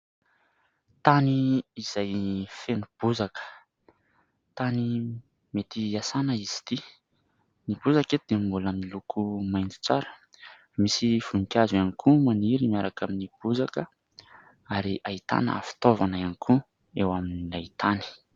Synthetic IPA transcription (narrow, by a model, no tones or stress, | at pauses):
t̪aniːz̥ajfenub̥uzakə̥ | t̪ani | met̪iasanəiz̥i̥t̪i | nib̥uzaked̪embulamilukʰumajnt̪u̥t͡saɾə̥ | misiv̥unikʲazuanikʰumaniɾimiaɾakaminib̥uzakə | aɾiʔait̪a̰nə̰a̰fi̥t̪ovanaanikʰu | ewaminiait̪ani̥